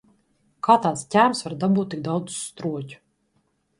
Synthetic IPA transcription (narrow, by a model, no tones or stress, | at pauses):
kaːt̪aːt̪scʲæːmsvaɾd̪abuːt̪ːiɡ̚d̪awd̪zu̥st̪ɾuɔcʲu̥